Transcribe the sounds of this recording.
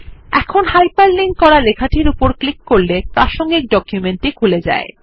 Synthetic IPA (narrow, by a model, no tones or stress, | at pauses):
ɛ̰kʰonhajpalːiŋkɔɾalekʰaʈʰiɾupoɾklikːoɾlepɾaʃoŋɡik̚ɖɔkjumeɳʈikʰuled͡ʑa̰e